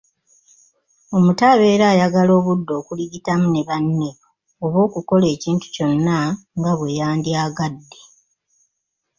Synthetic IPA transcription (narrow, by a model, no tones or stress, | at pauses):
o̞mutaβe̞ːɾaːjaɡalo̞ːβudːo̞ːkuliɡitamune̞βanːeβ | oβo̞ːkuko̞le̞ːciːntu̥co̞nːaŋɡaβwe̞jaːndjaːɡadːe̞